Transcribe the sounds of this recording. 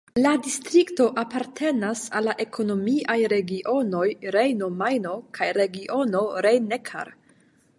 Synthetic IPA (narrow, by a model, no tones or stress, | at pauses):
ladistɾikto̞ʔapaɾtʰe̞nasalːaʔe̞kʰo̞no̞miʔajɾe̞ɡiʔo̞no̞jɾejno̞majno̞kʰajɾe̞ɡiʔo̞no̞ɾejnekʰa̰ɾ